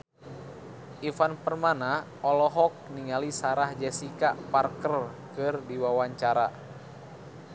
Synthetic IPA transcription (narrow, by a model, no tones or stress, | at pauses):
ifanpərmana | ɔlɔɦɔk̚niŋalisaɾahd͡ʒɛsikaparkərkɨrdiwawaɲt͡ʃaɾa̰